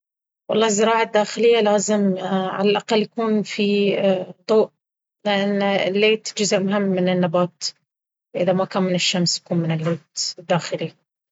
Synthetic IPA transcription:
wɑlˤːɑːzːɪɾɑːʕad̪ːaːxɪlɪjːalaːzɪmʕa̰lalʔaqalːjakuːnfi | d̪ˤuːʔ | lɪʔanːɪlːeːt̪d͡ʒʊzʔmʊɦɪmːɪnɪnːabaːt̪ | ʔɪðamakaːnmɪnɪʃːamsjakuːnmɪnɪlːeːt̪ɪd̪ːaːxɪli

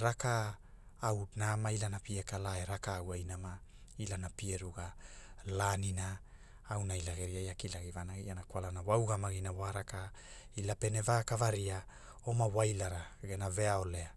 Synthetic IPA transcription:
ɾakaː | wnamailanapiekalaeɾakaːwajnama | ilanapieɾuɡalaninaː | wnajlaɡeɾiajakilaɡivanaɡianakwalanawawɡamaɡinawaɾaka | ilape̞nevakavaɾia | o̞mawajlaɾaɡenave̞ao̞le̞a

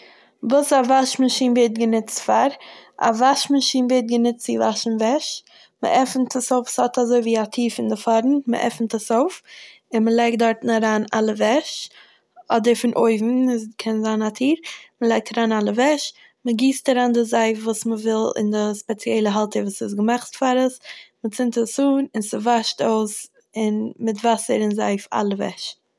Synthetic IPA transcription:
vuːsavaʃmaʃiːnveɪt̚ɡənɪt͡stfaɾa̰vaʃmaʃiːnveːt̚ɡənɪt͡st͡sɪvaʃn̩vɛʃ | mə̰ʔɛfntʰəsoʊfsɔtazoɪviːatʰiːɾfɪndɪfɔɾn̩mə̰ʔɛ̰fn̩təsoʊf | ɪnməlˠɛɪk̚t̚dɔɾtn̩aɾaːnalˠəvɛʃ | ɔdəɾfɪnʔoɪvn̩skʰɛnzaːnatʰiːɾməlˠɛɪk̚tʰaɾaːnalˠəvɛʃ | məɡiːstaɾaːndɪzaɪfvuːsməvɪlˠɪ̰ndɪspɛt͡sjɛlˠəɦalˠtəɾvuːsɪsɡəmaχtfaɾəsmət͡sɪntəsuːnɪnsɪvaʃtoʊs | ɪnmɪtvasəɾɪnza̰ɪfa̰lˠəvɛ̰ʃ

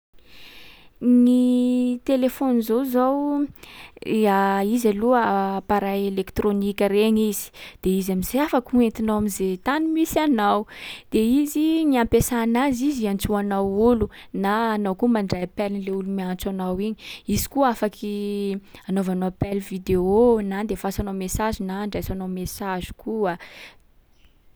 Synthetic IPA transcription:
nit̪elefonizowzaw | aizaluəpaɾajelekt̪ɾonikʲəɾeɲizi̥d̪̥eizamizeafakuent̪inawamizet̪animisanawd̪̥eiziniampesanaziziant͡suanawulunaːnawkumaɳɖ͡ʐajapɛlnleulumiant͡sanawiɲiizi̥kuafakʰi | anovanopɛlvid̪eonand̪efasanawmesaʒinaːɳɖ͡ʐajsanawmesaʒi̥kua

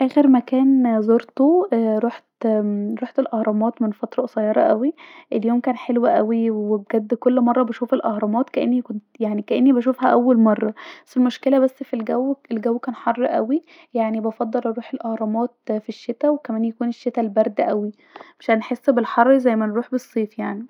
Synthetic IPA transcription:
ʔæːxeɾmækæːnzoɾt̪oɾˤuːħt̪ɾuːħt̪elʔɑhɾˤɑmɑːt̪menfɑt̪ɾˤɑʔsˤɑjɑɾˤɑ̰ʔæwiʔeljoːmkæːnħelwæʔæwiwwebɡæd̪ːkolːmɑrˤːɑbæʃuːfelʔɑhɾˤɑmɑːt̪kæʔenːikont̪jaʕnikæʔenːibæʃ̬ufhæʔæwːælmɑrˤːɑbæsːelmoʃkelæbæsːfilɡæwːelɡæwːkæːnħɑrˤːʔæ̰wi | jaʕnibɑfɑd̪ˤːɑlʔɑɾuːħelʔɑhɾˤɑmɑːt̪̚fiʃːet̪æwekæmæːnjækuːneʃːet̪ælbæɾˤd̪ʔæwi | meʃʔænħesːbelħɑrˤːzæjːmænɾuːħbesˤːiːfjaʕni

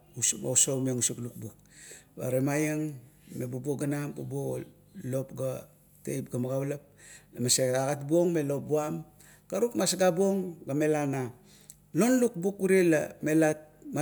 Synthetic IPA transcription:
uo̰usomiaŋusukluk̚bukba̰ɾemajeŋ | mebabuoɡanambabuo | lo̞pɡa | tḛjpɡamaɡaβlap̚lamaseaɡatbuoŋmelop̚buam | kaɾukmasɡabuoŋɡame̞lana | lo̞nluk̚bukuɾelamelama

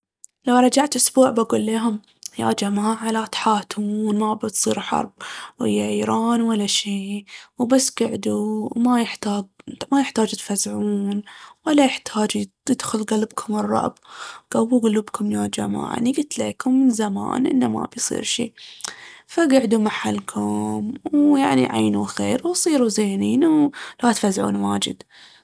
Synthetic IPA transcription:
lawɾˤɑd͡ʒaʕt̪ʔʊsbuːʕbaɡuːlːeːɦʊm | ja̰d͡ʒamaːʕalat̪ħaːt̪muːnmabɪt̪sˤḭːɾħɑ̰ɾˤb̚whɪ̰jːaʕiːɾɑːnwalːaʃiːwbasːɡaʕd̪umajɪħt̪aːɡmajɪħt̪aːd͡ʒt̪fazʕuːnwalːajɪħt̪ʰaːd͡ʒ | jɪd̪xʊlɡalɪbkʰʊmɨrˤːɑ̰ʔbɡ̥awːuɡʊluːbkʰʊmjaːd͡ʒama̰ːʕa̰niɡɪt̪leːkʊmːɪnzama̰ːnʔɪ̰nːama̰bjsˤḭːɾʃḭː | faɡaʕd̪umaħalːkʰʊmwjaʕnḭʕa̰ːnuxeːɾwsˤiːɾuzeːniːnlat̪fazʕṵːnwaːd͡ʒɪ̰d̪

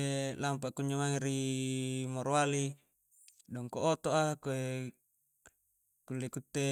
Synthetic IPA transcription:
lampaʔkuɲd͡ʒomaŋeɾi | moɾoali | dɔŋkoʔot̪oʔakoe | kulːekut̪ːe

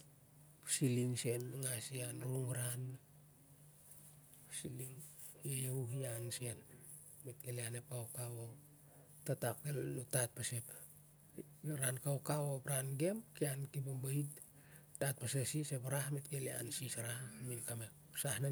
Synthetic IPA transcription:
psiliŋsenŋasianuuŋɾan | psiliŋ | jejeuɦianse̞n | met̚ɡeleanep̚awkawo | tatakːelnutat̚pasep | ɾankaokawopɾanɡemkiankibambait | tat̚pasesisepaɾahmetɡelia̰nsisɾahminkame | sahna

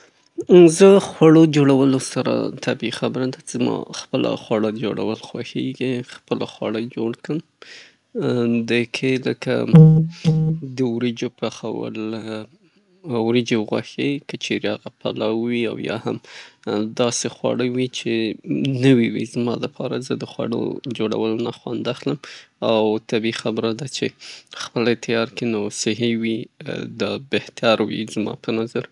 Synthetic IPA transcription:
zəxwaɽod͡ʒoɽawəlosaɾa̰t̪ʰabixabəɾad̪azmɑ̰xpəlʔa̰xwɑɽad͡ʒoɽa̰wəlxwaxeɡixpəlaxwɑɽəjd͡ʒoɽkəm | d̪əkʰeləka̰ | d̪əwɾed͡ʒopaxawə̰l | wɾed͡ʒeɣwa̰xekət͡ʃeɾehaɣapalawːia̰wjɑ̰ha̰m | d̪ɑsexwɑ̰ɽəwit͡ʃenəwiwḭzmɑləpʰɑɾazəd̪əxwa̰ɽo̰d͡ʒoɽa̰wəlonaxwand̪axləmawt̪abixabɾad̪at͡ʃexpəlt̪ʰjɑɾkenosɪɦewid̪ɑbeht̪ʰaɾwḭzmɑ̰pənazaɾ

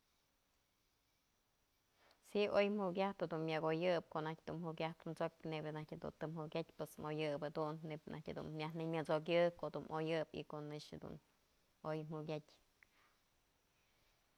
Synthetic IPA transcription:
siʔojm̥hukʲaht̪had̪unmʲaɡojɨp̚koʔnahk̚ʲd̪umhukʲaht̪nt͡sok̚ʲnebnahtʲhad̪ṵnt̪ɨmhukʲat̚ʲpwesmojɨpad̪unːeb̚nʔa̰htʲhad̪ṵnmʲjahnɨmʲɨt͡sok̬ʲɨkoʔd̪unʔojɨbḭkoʔnɨʂhad̪ṵn | ojm̥uk̬ʲatʲ

